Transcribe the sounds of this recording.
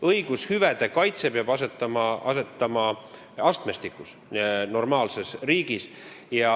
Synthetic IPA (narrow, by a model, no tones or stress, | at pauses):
ɤjɡ̥ushyvæd̪̥e̞kɑjt̪se̞peɑbɑset̪ːˑɑmɑʔɑset̪ːˑɑmɑ | ɑst̪me̞st̪ikːˑus | no̞rmɑːlse̞sriːɡ̥is | jɑ